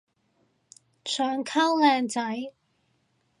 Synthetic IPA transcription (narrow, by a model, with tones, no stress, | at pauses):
t͡ʃʰœː˨˧ŋkʰɐ˥wlɛː˨˧ŋt͡sɐ˨˥j